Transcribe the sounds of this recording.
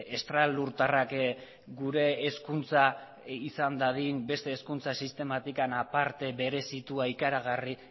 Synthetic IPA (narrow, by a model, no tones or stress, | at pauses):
e̞st̪ɾaluɾt̪arak | ɡuɾe̞ːskunt͡sa | isand̪aðinbe̞st̪e̞ːskunt͡sasist̪e̞mat̪ikanapaɾt̪e̞βe̞ɾe̞sit̪uaikaɾaɣ̞ari